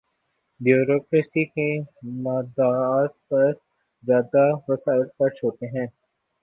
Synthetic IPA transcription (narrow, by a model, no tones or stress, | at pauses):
bjoːɾoːkɾesikemaːd̪aːt̪̚pɐɾ | zjaːd̪aʋɐsaːɪlkɐɾt͡ʃʰoːt̪eɦɛ̃ː